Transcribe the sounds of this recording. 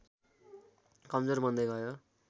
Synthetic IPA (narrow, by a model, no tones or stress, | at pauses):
kʌmd͡zʌrbʌnd̪ʌjɡʱʌjo